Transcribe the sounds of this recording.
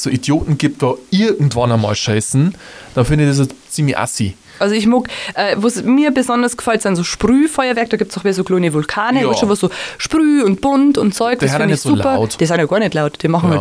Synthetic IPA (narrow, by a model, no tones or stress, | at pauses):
soːidjoːtn̩ɡip̚tv̥oɪɐɡŋ̩tv̥ɑnəmɑ̰ːlʃaɪsn̩d̥ɑfɪndɪçdes̬ot͡siːmlɪçʔa̰sḭ | ʔalzoɪçmʊkʔɛːvoːsmiːɐbəzɔndɐsɡ̥ə̥faltsaɪnzoːʃpʁyːfɔʏɐvɛɐkd̥ɑːɡiːp̚t͡snɔxmeːɐzoːkloːnəvʊlkʰaːnəasʃovoszoːʃpʁyːʊnt̚b̥ʊntʊntt͡sɔʏkd̥sfɪndçsulpɐʊtd̥iːsaɪnjoːɡaːɐnɛtlaʊtd̥iːmɑχŋ̩ha